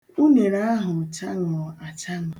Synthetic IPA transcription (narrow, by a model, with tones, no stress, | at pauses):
u˦ne˨ɾa˦a˦ɦʊ˨t͡ʃa˦ŋɔ˨a˨t͡ʃa˦ŋɔ˨